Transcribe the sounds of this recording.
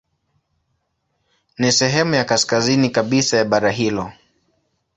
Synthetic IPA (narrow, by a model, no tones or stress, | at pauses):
nisɛɦɛmujakaskazinikaɓisajaɓaɾaɦilɔ